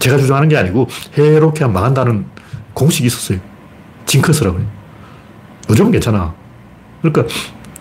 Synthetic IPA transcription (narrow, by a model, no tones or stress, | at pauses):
t͡ɕe̞ɡat͡ɕud͡ʑʌŋɦanɯnɡe̞aɲiɡoheɾokʰeɦammaɡɦandanɯnkoŋɕʰiɡiːs͈ʌ̥s͈ʌjo | t͡ɕiŋkʰɯsʰɯɾaɡoeo | ɯd͡ʑʌmke̞nt͡ɕʰana | kɯɾik͈a